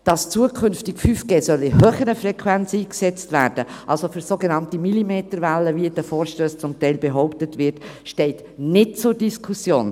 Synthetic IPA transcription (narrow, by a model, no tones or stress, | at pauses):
d̥ɑst͡suəkʰʏnftɪkfyːfɡ̥eːsœlɪhœːχəɾəfɾɛkʰʋɛnt͡siːksɛt͡stvæːɾd̥əʔɑlsofyɾsoɡenɑntimilimeːtəɾvælːəviəd̥əfoːɾʃtøːst͡sʊmtɛɪlbeɦɔʊptətʋɪɾtʃtɛɪt | nɪt̚t͡sʊɾd̥iskʰusjoːn